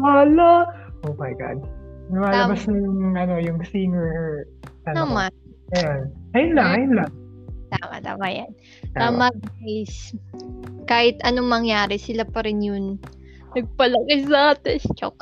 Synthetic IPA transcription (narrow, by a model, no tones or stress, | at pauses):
waːlaʔomɐjɡa̰d̪̚nɐmaːlɐbasnʊjʊŋʔɐno̞jʊŋsiːŋɛɹ | t̪anɐma | janɐjʊnlaʔɐjʊnlat̪aːma̰t̪a̰ːmaja̰n | t̪aːmɐajs | kaːhɪt̪ʔɐnomɐŋjaːɾɪsɪlapɐɾɪnjʊŋ | nɐɡ̚pɐlɐkɪs̬ɐʔaːt̪ɛst͡ʃo̰k